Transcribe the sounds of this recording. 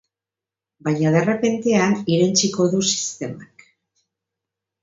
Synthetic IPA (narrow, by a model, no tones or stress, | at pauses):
baɲað̞ere̞pe̞nt̪e̞aniɾent͡siko̞ðusi̥st̪e̞mak